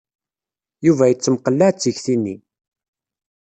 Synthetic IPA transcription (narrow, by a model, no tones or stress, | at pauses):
juvæjət͡sːəmqəlːæt͡sːəçθinːi